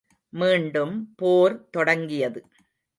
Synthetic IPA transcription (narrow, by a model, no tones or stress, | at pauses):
miːɳɖɯmpoːɾt̪ɔɽɐŋɡɪjɐðɯ